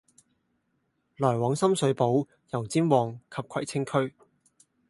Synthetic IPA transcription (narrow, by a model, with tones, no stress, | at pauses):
lɔː˨˩jwɔː˨˥ŋsɐ˥msɵ˨˥ɥpo˨˥w | jɐ˨˩wt͡siː˥nwɔː˨˩ŋkʰɐ˨p̚kʰɐ˨˩jt͡sʰɪ˥ŋkʰɵ˥ɥ